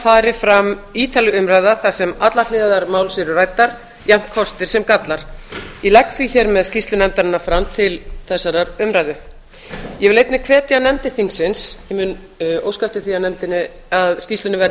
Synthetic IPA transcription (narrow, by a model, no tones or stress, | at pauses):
faːɾɪfɾamiːt̪alʏʏmɾajðaθasɛmat̪laɾlɪːðaðaɾmaːwlsɪɾʏraːjt̪ːaɾ̥ | jam̥t̪̚kʰɔst̪ɪɾ̥sɛmkat̪laɾ̥jɛlɛk̚tθviçɛɾmɛðscist̪lʏnɛmt̪aɾɪnːafɾamt̪ʰɪlθɛsːaɾaɾʏmɾajðʏ | jɛvɪlejt̪nɪkʰvɛːt̪ɪanɛmt̪ɪθiŋksɪnsɪmʏn | o̰wskaft̪ɪθianɛmt̪ɪnːɪ | aðscist̪lʏnɪvɛɾ